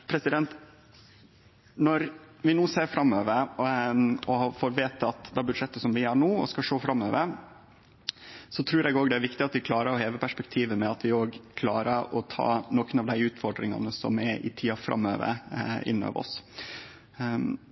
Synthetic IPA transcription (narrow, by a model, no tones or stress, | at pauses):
pʰɾɛsɪd̪ɛnt̪ | nɔɾʋɪnuːseːɾfɾɑmøːʋəɾ | ɔhɑfoːɾʋeːt̪əɑt̪d̪ɑːbʉd̪ʂɛt̪ːəsɔmʋɪɑɳuːɔ̰skɑʂoːfɾɑmːøːʋəɾ | sɔt̪ʰɾʉːɾɛɡoːɡd̪ɛæɾʋɪkt̪ɪɑt̪ʋɪkʰlɑːɾəɾɔheːʋəpʰæʂpɛkt̪ʰiːʋəmɛɑt̪ʋɪoːɡkʰlɑːɾəɾɔt̪ʰɑ̰ːnoːkənɑʋd̪æɪʉːt̪fɔɖɾɪŋɑ̰nəsɔ̰mɛʔɪ̰t̪ʰiːɑfɾɑ̰mːø̰ːʋə̰ɾɪ̰nːɑ̰ʋɔ̰s